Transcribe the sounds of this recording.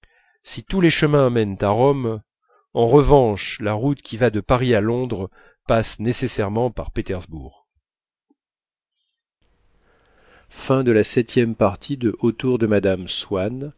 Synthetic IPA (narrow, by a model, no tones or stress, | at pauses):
sit̪uleʃəmɛ̃amɛnt̪aʁɔm | ɑ̃ʁəvɑ̃ʃlaʁut̪kʲivad̪əpaʁialɔ̃d̪ʁ | pasnesesɛʁmɑ̃paʁpet̪ɛʁzbṵːʁ | fɛ̃d̪əlasɛt̪jɛmpaʁt̪ʰid̪əʔot̪uʁd̪əmad̪amswan